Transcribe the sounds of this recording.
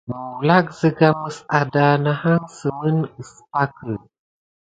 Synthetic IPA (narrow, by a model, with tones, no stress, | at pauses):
mə˨u˨la˦k̚zə˦ɡa˦mə˦sa˨da˨na˨ha˦ŋsə˨mə˦nɨ˨spa˦kə˨